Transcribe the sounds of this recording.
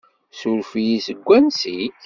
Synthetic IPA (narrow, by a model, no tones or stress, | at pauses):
suɾfijisəɡʷːænsit